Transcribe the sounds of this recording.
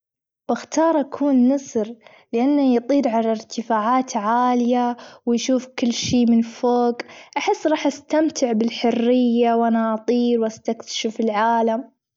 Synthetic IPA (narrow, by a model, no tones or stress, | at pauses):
b̥ɪxt̪ɑːɾˤʔakʰuːnːɑsɾ | lɪʔanːajt̪ˤiːɾʕalaɾt̪ɪfaːʕaːt̪ʕaːlɪjawɪjʃuːfkɪlːʃiːmɪnfoːɡʔaħɪsːɾˤɑːħʔast̪amt̪ʰɪʕbɪlħʊrːɪjːawʔanaʔɑt̪ˤiːɾwʔast̪akt̪ḁʃɪfɪlʕaːlam